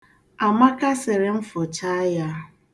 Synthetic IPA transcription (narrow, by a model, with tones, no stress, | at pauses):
a˨ma˦ka˦sɪ˨ɾɪ˨m̩˦fʊ˨t͡ʃa˦ja˦